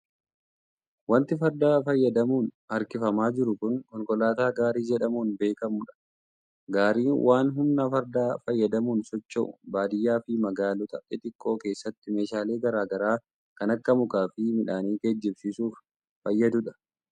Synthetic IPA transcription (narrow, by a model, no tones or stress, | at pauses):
wɐnt̪ɪfɐɾd̪aːfɐjːɐd̪ɐmuːn | ɐɾkɪfɐmaːd͡ʒɪɾʊkʊŋkɔŋkɔlaːt̪aːɡaːɾiːd͡ʒɛᶑɐmuːnbe̞ːkɐmʊᶑɐ̥ | ɡaːɾiːwʔaːnɦʊmnafɐɾd̪aːfɐjːɐd̪ɐmuːnsɔt͡ʃːo̰ːbaːd̪ɪjːaːfɪmɐɡaːlɔt̪ɐʔɪt̪ɪkʼːo̞ːke̞ːsːɐt̪ːɪme̞ːʃaːle̞ːɡɐɾaːɡɐɾaː | kɐnɐkːɐmʊkaːfɪmɪᶑaːniːked͡ʒːɪbsɪsuːfː | ɐjːɐd̪ʊᶑɐ̥